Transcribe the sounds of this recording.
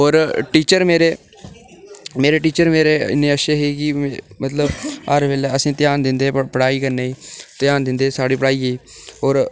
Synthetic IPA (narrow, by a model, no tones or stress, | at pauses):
oːɾʈiːt͡ʃəɾmeːɾeː | meːɾeːʈiːt͡ʃəɾmeːɾeːɪ̰nːẽːəʃeːɦeːkɪmət̪ləbəɾʋeːleːəsĩːt̪ɪjaːnd̪ɪnd̪eːpəɽaːiːkəɾneːiːt̪jaːnd̪ɪnd̪eːsaːɽiːpəɽaːiːeiːoːɾ